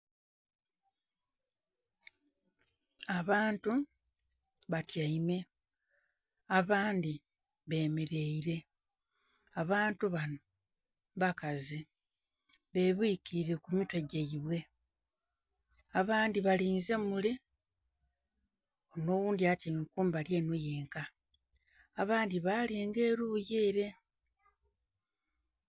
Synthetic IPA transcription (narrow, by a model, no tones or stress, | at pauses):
aβaːntu | βatjaime̞ | aβaːndi | βe̞ːmeɾe̞iɾe̞ | aβaːntuβano | βakazi | βe̞ːβukiiɾe̞kumitweɟeiβwe̞ | aβaːndiβaliːnzemule | ono̞ːwuːndiatemikuːmbaljeːnojeːŋkaː | βaːndiβaːleːŋɡe̞ːɾujeːɾe̞